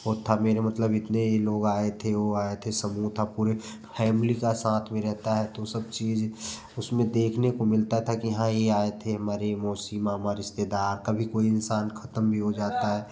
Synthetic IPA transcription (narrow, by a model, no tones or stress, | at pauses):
ɦoːt̪ʰameːɾemɐt̪ləbɪt̪neiloːɡaːet̪ʰeoaːet̪ʰesəmuːt̪ʰapuːɾepʰɛːmlikasãːt̪ʰmẽɾɛɦt̪aɦɛt̪osɐb̚t͡ʃiːd͡ʒ | ʊsmẽd̪eːkʰnekomɪlt̪aɦɛt̪ʰakijəɦãjeaːet̪ʰeɦɐmaːɾemoːsimaɦmaːɾeɪst̪eːd̪aːɾkabʱikoːiɪnsaːnkʰɐt̪əmbʱiɦod͡ʒaːt̪aɦɛː